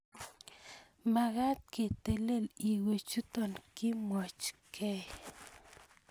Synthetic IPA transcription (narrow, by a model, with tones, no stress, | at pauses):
ma˨ɣa˦t̪̚ke˨t̪e˨le˦˨li˨we˨t͡ʃu˦t̪ɔ˨nki˦mwɔ˨t͡ʃkʰɛ˦